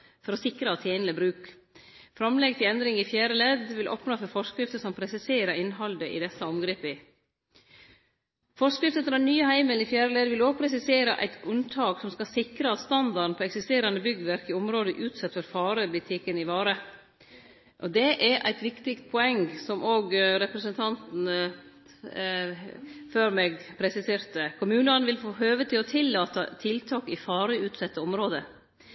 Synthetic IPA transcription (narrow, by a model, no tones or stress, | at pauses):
fɔɾɔsɪkɾəɑt̪ʰjeːnələbɾʉːk | fɾɑmlɛɡ̚t̪ʰɪlɛnd̪ɾɪŋɪfjæːɾəleːd̪ʋɪlʔɔ̰pnoːfɔɾfɔskɾɪft̪əsɔmpʰɾɛsɪseːɾəɾɪnɦɑld̪əʔɪ̰d̪ɛsəɔmɡɾiːpɪ | fɔskɾɪft̪əfɾɑnyːəhæɪməlnɪfjæːɾəleːd̪ʋɪloːɡ̚pʰɾɛsɪseːɾəʔæ̰ɪt̪ʉnt̪ʰɑːɡsɔmskɑsɪkɾəɑst̪ɑnd̪ɑɾɳpʰɔːɛksɪst̪eːɾɑnəbʏɡʋæɾkɪʊmɾoːd̪əʔʉːt̪sɛt̪ːfɔɾfɑːɾəb̪ɪt̪ʰɪkːənɪʋɑːɾə | ʔɔd̪ɛʔɛɾʔæ̰ɪt̪ʋɪkt̪ɪkst̪pʰɔɛŋsɔmʔoːɡɾɛpɾəsənt̪ʰɑnt̪n̩ə | føːɾmeɡpʰɾɛsɪseːɾt̪əkʰʊmʉːnəɑnʋɪlfoːhøːʋət̪ʰɪlɔt̪ʰɪlːɑːt̪ət̪ʰɪlt̪ʰɑːkɪfɑːɾəʉːt̪sɛt̪ːəɔmɾoːd̪ə